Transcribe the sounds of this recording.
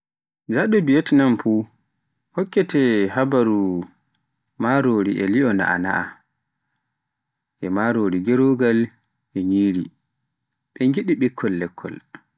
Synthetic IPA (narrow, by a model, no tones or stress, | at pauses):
d͡ʒaɗɔbijetnamfu | hɔkːɛtɛhabaɾu | maɾoːɾiʔɛliɔna̰ʔa̰na̰a̰ | ʔɛmaɾoɾiɡɛɾoɡal | ʔɛɲiːɾi | ɓɛŋɡiɗiɓikʰːɔlːɛkʰːɔ̰l